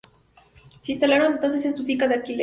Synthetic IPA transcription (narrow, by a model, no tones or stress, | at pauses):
sinst̪alaɾoŋent̪ons̬es̬ensufikaðeakile